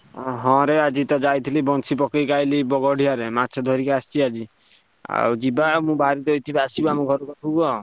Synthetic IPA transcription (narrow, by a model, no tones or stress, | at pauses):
ɦɔ̃ɾead͡ʒit̪ɔd͡ʒajt̪ʰilibɔnsʰipɔkejkajlibɔɡɔɽ̤iaɾematt͡ʃʰɔd̪ʱɔɾikeast͡ʃiad͡ʒi | a̰wd͡ʒibamũbaɾit̪ɔjt̪ʰibasibamɔ̃ɡʱɔɾɔkɔtʰubɔ